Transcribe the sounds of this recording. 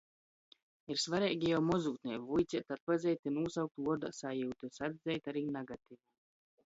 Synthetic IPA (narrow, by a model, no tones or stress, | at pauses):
iɾsvaɾɛːɡʲijawmɔzuːt̪nʲiɛvujt̪sʲit̪at̪̚pazʲɛjt̪inuːsawk̚t̪uɔd̪asajuːt̪usad̪zɛjt̪aɾiːnaɡat̪iva